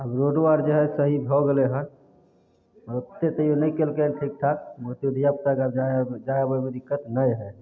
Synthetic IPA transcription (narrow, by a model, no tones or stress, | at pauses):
əbɾoɖwaɾd͡ʒeɦɛsəɦibʱɔɡeleɦən | məɾot̪ːet̪əjonəjkelkenʈʰik̚ʈ̪ʰakmuɾt̪id̪ʱijap̚kaɡaad͡ʒajabəmed̪ikːət̪nəjɦɛ